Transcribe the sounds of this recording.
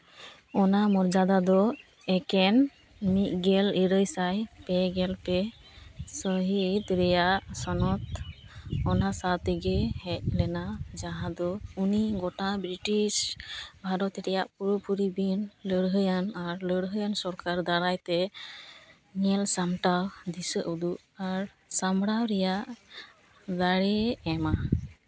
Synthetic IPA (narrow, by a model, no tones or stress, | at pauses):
ɔnamɔɾd͡ʒad̪ad̪ɔ | ɛkɛn | mit̪̚ˀɡɛliɾəjsajpɛɡɛlpɛ | sɔɦit̪ɾɛjaʔsɔnɔt̪̚ | ɔnasat̪iɡɛhɛc̚lɛnad͡ʒaɦãd̪ɔuniɡɔʈabɾiʈisbʱaɾɔt̪ɾɛjaʔpuɾɔpuɾibinləɽɦəjanaɾləɽɦəjansɔɾkaɾd̪aɾajt̪ɛ | ŋɛlsamʈawd̪isəʔud̪uʔ | aɾ | samɽawɾɛjaʔ | d̪aɽɛɛma